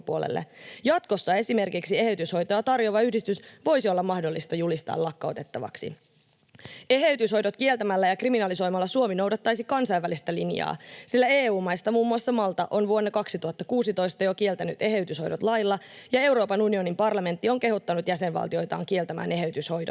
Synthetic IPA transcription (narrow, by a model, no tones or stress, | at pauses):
puolḛlːḛjɑt̪ko̞sːɑe̞sime̞rkiksie̞he̞yt̪ysho̞jt̪ojɑt̪ɑrjoʋɑyhdist̪ysʋo̞jsio̞lːɑmːɑhdolːist̪ɑjulist̪ɑ̰ːlːɑkːɑo̰t̪e̞t̪ːɑʋɑ̰ksḭ | e̞ɦeyt̪ysho̞jdot̪kie̞lt̪æmælːæjɑkriminɑliso̞jmɑlːɑsuomino̞wdɑt̪ːɑjsikɑnsɑjʋːælist̪ælinjɑ̰ːsilːæeːuːmɑjst̪ɑmuːmːuɑsːɑmɑlt̪ɑʔo̞nʋuo̞nːɑkɑksit̪uhɑt̪ːɑkuːsit̪o̞jst̪ɑjo̞kie̞lt̪æny̰t̪e̞ɦe̞yt̪ysho̞jdot̪lɑjlːɑjɑe̞wɾo̞ːpɑnunio̞nimpɑrlɑme̞nt̪ːio̞ŋke̞ɦut̪ːɑnut̪jæsenʋɑ̰lt̪io̞jt̪ɑ̰ːŋkie̞lt̪æmæ̰ːne̞ɦe̞yt̪ysho̞jdo